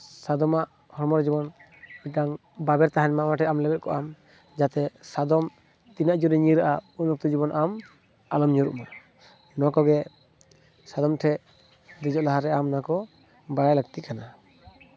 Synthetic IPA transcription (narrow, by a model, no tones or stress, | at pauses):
sad̪ɔmaʔ | hɔɾmɔɾd͡ʒibɔn | iʈaŋ | babɛɾt̪aɦanmaʔmaʈʰɛamlɛbɛt̪̚kɔʔam | d͡ʒat̪ɛsad̪ɔm | t̪inaʔd͡ʒuɾɛɲiɾaʔaunɔk̚t̪ɔd͡ʒiβɔnʔam | alɔmɲuɾṵʔma | nɔkɔɡɛ | sad̪ɔmʈʰɛʔ | d̪id͡ʒɔʔlaɦaɾɛamnakɔ | baɽajləɡ̚t̪iʔkana